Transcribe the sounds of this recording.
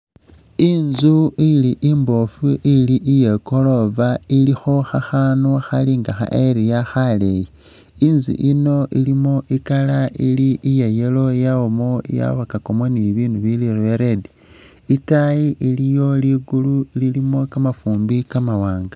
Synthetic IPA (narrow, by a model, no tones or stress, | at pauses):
inzuiliʔimbo̞fuʔiliʔijeko̞lo̞vailixo̞xaxaːnuxaliŋɡaxa̰ʔeɾijaxaleji | inzḭʔino̞ʔilimo̞ʔikalailiʔijejelo̞jawomo̞ja̰βakakomoniβiːnuβilireɾedi | itajiʔilijo̞liɡuluililimo̞kamafuːmbikamawaːŋɡa